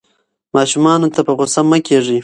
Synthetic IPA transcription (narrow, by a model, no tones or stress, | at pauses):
mɑʃumɑnot̪apəɣosamːəkeʐi